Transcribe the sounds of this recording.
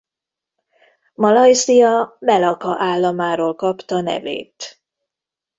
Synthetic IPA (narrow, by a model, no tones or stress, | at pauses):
mɒlɒjsijɒmɛlɒkɒʔaːlːɒmaːɾoːlkɒpt̪ɒnɛ̰vḛːt̪